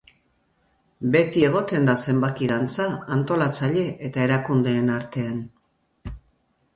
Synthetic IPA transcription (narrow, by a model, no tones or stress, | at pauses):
be̞t̪ie̞ɣ̞o̞t̪e̞nd̪ase̞mbak̪iðant͡saːnt̪o̞lat͡saʎe̞ʔet̪ae̞ɾakund̪e̞ːnaɾt̪e̞an